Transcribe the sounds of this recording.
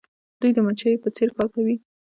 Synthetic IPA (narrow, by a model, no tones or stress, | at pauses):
d̪̥ujd̪əmat͡ʃajepət͡seɾkɑɾkawi